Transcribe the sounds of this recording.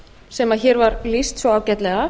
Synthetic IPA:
sɛmaðçɛɾvaɾlist̪svɔaːwcɛjt̪lɛɣa

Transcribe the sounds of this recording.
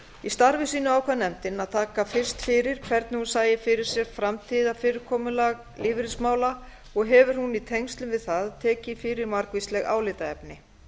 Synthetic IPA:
ist̪aɾvɪsiːnʏaːwkʰvanɛmt̪ɪnaðt̪ʰaːkafɪr̥st̪fɪɾɪɾ̥kʰvɛɾt̪nɪhunsaːjɪfɪɾɪɾ̥sjɛɣfɾamt̪ʰiːðafɪːɾɪɾkʰɔːmʏlaɣ | liːvɪɾɪsmaːwla | ɔɣɦɛvʏɾ̥hunit̪ʰejŋst̪lʏmvɪðθaðt̪ʰɛːcɪfɪɾɪɾmaɾkvist̪lɛɣa̰ːwlɪːt̪aɛpnɪ

